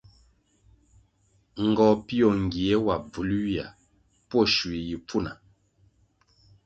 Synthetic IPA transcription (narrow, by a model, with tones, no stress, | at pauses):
ŋ̩˨ɡɔ˨pi˦ɔ˨ŋ˨ɡi˨ɛ˦wa˨b͡vu˨lu˦ja˨ | pɔ˦˨ʃwi˨ji˨p͡fu˦˨na˨